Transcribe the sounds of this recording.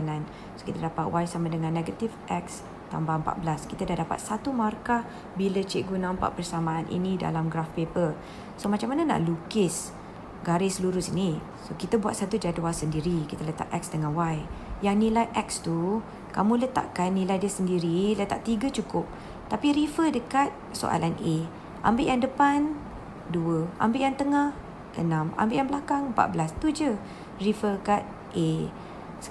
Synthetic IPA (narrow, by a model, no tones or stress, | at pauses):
nãn | so̥kit̪adapat̪̚wajsamadəŋãnːeɡat̪ifʔɛk̚s | t̪a̰mbaəmpa̰ʔ̪̚bəlaskit̪adahdapa̰t̪̚sat̪umarka | bilət͡ʃeʔɡunãmpa̰ʔpərsamãːnʔḭnĩda̰lamɡɾafpepər | somat͡ʃamːanana̰ʔlukɪs | ɡaɾɪsəluɾʊsini | sokit̪əbuat̪̚sat̪ud͡ʒaduasəndiɾikit̪ələt̪a̰ʔɛ̰k̚sdəŋãnwajjaŋnĩlajʔɛk̚st̪u | kamũlət̪a̰ʔkanːilajdiəsəndiɾilət̪a̰ʔt̪iɡət͡ʃukʊp̚ | t̪apiɾifədəkat̪̚so̰ʔa̰lane | ʔa̰mbɪʔjaŋdəpan | duəʔa̰mbɪʔjaŋt̪əŋah | ʔə̰nãma̰mbɪʔjaŋbəlakaŋmpa̰ʔ̪̚bəlast̪ud͡ʒə | rifəkat̪̚ | ʔe